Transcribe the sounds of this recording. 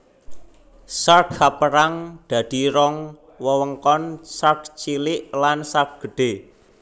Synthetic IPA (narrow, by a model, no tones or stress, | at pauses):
sarkhapəɾaŋd̪̥ä̤d̪̥i̤ɾɔŋ | wəwəŋkɔnsark̚t͡ʃilɪʔlansak̚ɡ̥ə̤ɖ̥e